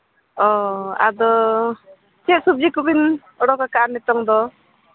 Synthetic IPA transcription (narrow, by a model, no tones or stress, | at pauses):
ɔa̰d̪ɔ | t͡ʃɛʔsub̚d͡ʒikubin | ɔɽɔkakaaɾnit̪ɔŋd̪ɔ